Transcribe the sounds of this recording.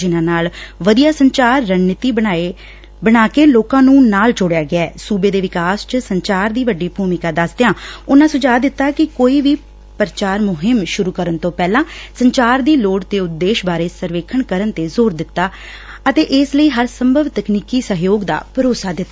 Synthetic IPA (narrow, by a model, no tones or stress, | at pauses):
d͡ʒɪnãːnaːlʋəd̪ijaːsəɲt͡ʃaːɾːənnɪt̪iːe | bənaːkeːloːkãːnũːnaːld͡ʒoːɽejaːɡɪɛːsuːbeːd̪eːʋɪkaːst͡ʃəsəɲt͡ʃaːɾd̪iːʋəɖːiːbʱuːmɪkaːd̪əsd̪eãːʊnãːsʊd͡ʒaːd̪ɪt̪ːaːkɪkoːiːʋiː | pəɾt͡ʃaːɾmʊɦɪmʃʊɾuːkəɾənt̪õːpɛːlãːsəɲt͡ʃaːɾd̪iːloːɽt̪eːʊt̪̚d̪eːʃbaːɾeːsəɾʋeːkʰəɳkəɾənt̪eːzoːɾd̪ɪt̪ːaː | ət̪eːʔɪsləiːɦəɾsəmbəʋt̪əkniːkiːsəɦjoːɡd̪a̰ːpəɾoːsaːd̪ɪt̪ːaː